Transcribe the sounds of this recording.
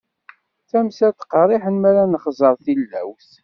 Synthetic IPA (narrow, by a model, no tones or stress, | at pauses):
θæmsæt̪qərˤiħənmæɾænəχzˤəɾˤθilːæ̰wθ